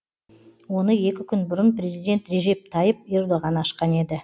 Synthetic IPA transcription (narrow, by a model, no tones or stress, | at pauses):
wo̞nəje̞kʲɪkʲʰʏnbʊɾənprʲe̞zijd̪ʲe̞nt̪re̞ʒe̞p̚t̪ʰɑjəp̚e̞rd̪oʁɑnɑʃqɑne̞d̪ɪ